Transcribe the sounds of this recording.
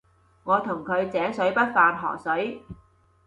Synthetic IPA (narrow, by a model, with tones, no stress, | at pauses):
ŋɔː˨˧t̪ʰʊ˨˩ŋkʰɵ˨˧ɥt͡sɛː˨˥ŋsɵ˨˥ɥpɐ˥t̚faː˧nɦɔ̰ː˨˩sɵ˨˥ɥ